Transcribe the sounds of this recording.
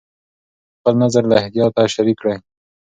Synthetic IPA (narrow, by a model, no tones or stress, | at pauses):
xpəlnazaɾlaɪhd̪ijɑt̪aʃaɾikːɽaj